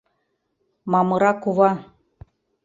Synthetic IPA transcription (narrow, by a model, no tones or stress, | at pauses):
mɑmɤ̆ɾɑkuβɑ